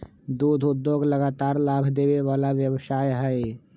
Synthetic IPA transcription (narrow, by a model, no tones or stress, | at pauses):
d̪uːd̪ʱʊd̪ːjoɡləɡaːt̪aːɾlaːbʱd̪eːweʋaːlaʋjəwsaːjɦɛe